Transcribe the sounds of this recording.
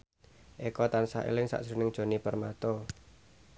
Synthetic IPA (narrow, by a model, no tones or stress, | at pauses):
ʔekɔt̪ansa̰ḛlɪŋsa̰ʔsɾṳnɪŋ̥ʒ̥o̤nipərmat̪ɔ